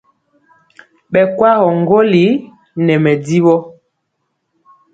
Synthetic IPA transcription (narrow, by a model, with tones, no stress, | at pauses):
ɓɛ˨kwa˦ɣɔ˨ŋɡo˦li˨˦ | nɛ˨mɛ˨di˦ɓɔ˦